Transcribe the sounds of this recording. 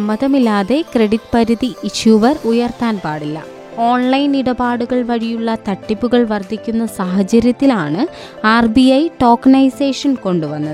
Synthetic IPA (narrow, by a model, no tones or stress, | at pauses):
ɐmːɐðɐmilːaːðe̞kre̞ɽiʈːpɐɾiðiiɕjuːʋɐrujɐrt̪aːnpaːɽilːɐ̰ | o̞ːɳlɐjniɽɐbaːɽuɣɐɭʋɐɻijuɭːɐt̪ɐʈːipːuɣɐɭʋɐrd̪ʱːikʲːunːɐsaːɦɐt͡ɕɐɾjɐt̪ːilaːɳɨ | aːrbiɐjʈo̞ːknɐjseːʂɐnko̞ɳɖuʋɐnːɐðɨ